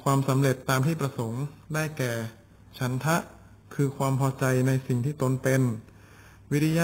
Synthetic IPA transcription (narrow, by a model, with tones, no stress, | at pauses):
kʰwaː˧msa˩˦mɾe˨˩t̪ːaː˧mt̪ʰiː˥˩pɾa˧so˩˦ŋdaː˥˩jkɛː˨˩ | t͡ɕʰa˦˥nt̪ʰa˦˥ʔ | kʰɯː˧kʰwaː˧mpʰɔː˧t͡ɕa˧jna˧jsi˨˩ŋt̪ʰiː˥˩t̪o˧npe˧n | wi˦˥t̪ʰi˧ja˦˥